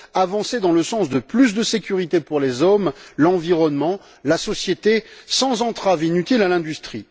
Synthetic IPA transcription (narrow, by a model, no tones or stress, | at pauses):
avɑ̃sed̪ɑ̃ləsɑ̃sd̪əplys̬d̪əsekʲyʁit̪epuʁlezɔmlɑ̃viʁɔnmɑ̃ | lasɔsjet̪esɑ̃zɑ̃t̪χavinyt̪ilalɛ̃d̪yst̪χi